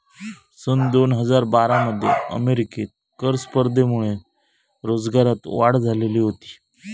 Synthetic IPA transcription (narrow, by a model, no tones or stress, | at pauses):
sənd̪onɦəd͡zaɾbaɾaməd̪ʱːjḛə̰meɾiket̪̚ | kəɾspəɾd̪ʱemuɭe | ɾod͡zɡaɾat̪ʋaɽd͡zʱaleliːɦot̪i̥ː